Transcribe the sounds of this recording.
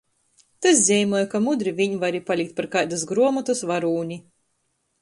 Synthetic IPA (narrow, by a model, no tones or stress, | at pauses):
t̪as̬zʲɛjmuɔjkamud̪ɾivʲiɲivaɾipalʲik̚t̪̚paɾkajd̪as̬ɡɾuɔmat̪usvaɾuːɲʲi